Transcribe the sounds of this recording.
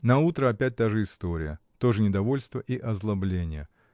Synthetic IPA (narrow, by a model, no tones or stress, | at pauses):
nɐut̪ɾəɐpʲæt̚ʲt̪aʐɨɪst̪oɾʲɪ̰jə̰t̪o̞ʐɨnʲɪd̪ɐvo̞lʲst̪vəʔiʔɐzlˠɐblʲenʲɪjə